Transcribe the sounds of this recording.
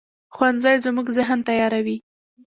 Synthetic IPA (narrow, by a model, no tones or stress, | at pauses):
xwanzajzmuɡzɪɦnt̪ajɑɾawi